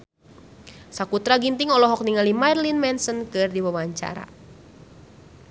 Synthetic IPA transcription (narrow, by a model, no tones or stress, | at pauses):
sakut̪ɾaɡint̪ɪŋɔlɔɦɔk̚niŋalimarlinmɛnsənkɨrdiwawaɲt͡ʃa̰ɾa̰